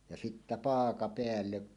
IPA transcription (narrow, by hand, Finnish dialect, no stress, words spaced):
jɑ sitːæ pɑːkɑ peælːe